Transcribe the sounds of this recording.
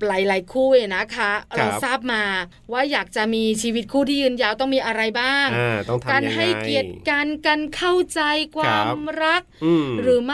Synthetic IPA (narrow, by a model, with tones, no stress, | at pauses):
pla˨˩jla˨˦jkʰuː˥˩ʔeː˨˧˩na˦˥kʰa˦˥ɾa˧wsaː˥˩p̚maː˧ | waː˥˩jaː˨˩k̚t͡ɕa˨˩ʔmiː˧t͡ɕʰiː˧wi˦t̪̚kʰuː˥˩iː˥˩jɯː˧njaː˧wt̪ɔ˥˩ŋmiː˧ʔa˧ɾa˧jbaː˥˩ŋŋɔ˥kaː˧nɦa˥˩jki˨˩ət̪̚ka˧nka˧nkʰa˥˩wt͡ɕa˧jkʰwaː˧mɾa˦˥k̚ɾɯː˩˦m˥